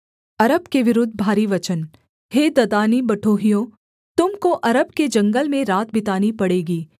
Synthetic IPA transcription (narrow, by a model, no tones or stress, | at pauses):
ɐɾəbkeʋɪɾʊd̪ʱːbʱaːɾiʋɐt͡ʃən | heːd̪ɐd̪aːnibɐʈʰoːɦijõː | t̪ʊmkoʔɐɾəbked͡ʒɐ̃ŋɡəlmẽɾaːt̪̚bɪt̪aːnipɐɽeːɡiː